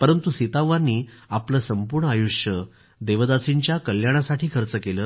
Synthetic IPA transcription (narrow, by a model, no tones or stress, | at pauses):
pəɾənt̪usit̪aʋanːiːapləsəmpuɾɳəajuʂjə | d̪eʋəd̪at͡siɲt͡ɕjakəljaɽ̃asaʈʰiːkʰəɾt͡səkeləː